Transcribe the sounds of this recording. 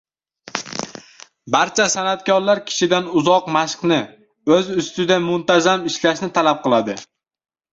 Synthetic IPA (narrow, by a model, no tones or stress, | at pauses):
baɾt͡ʃʰasanat̪kʲɒɾlaɾkʲʰɪ̥ʃɪd̪anʊzɒqmaʃqnɪ | ɵzʊst̪ɪd̪amʊnt̪ʰazamɪʃlaʃnɪt̪ʰalap̚qʰɨlˠad̪ɪ